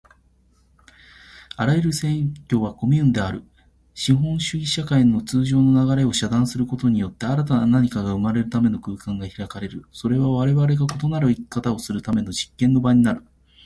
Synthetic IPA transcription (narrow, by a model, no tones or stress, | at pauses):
aɾajɯɾɯ̟sẽ̞kʲo̞βako̞mʲiɯ̟̃nd̪e̞aɾɯ̟ | ɕĩɦõ̞ɰ̃ɕɨɡʲiɕakainot͡sɨːʑo̞ːno̞naɡaɾe̞o̞ɕad̪ãɰ̃sɨɾɯ̟ko̞t̪o̞ɲ̟ijo̞t̪ːe̞aɾat̪ananaɲ̟ikaɡaɯ̟maɾe̞ɾɯ̟t̪ame̞no̞kɯ̟ːkãŋɡaçiɾakaɾe̞ɾɯ̟so̞ɾe̞βaβaɾe̞βaɾe̞ɡako̞t̪o̞naɾɯ̟ikʲi̥kat̪ao̞sɨɾɯ̟t̪ame̞no̞ʑikːẽ̞nːo̞baɲ̟inaɾɯ̟